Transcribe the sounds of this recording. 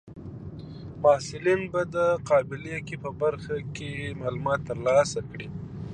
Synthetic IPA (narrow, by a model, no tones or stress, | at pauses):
mahsɪlinbad̪əqɑbɪlekepəbaɾxakemaːlumɑt̪ːəɾlɑsakɽi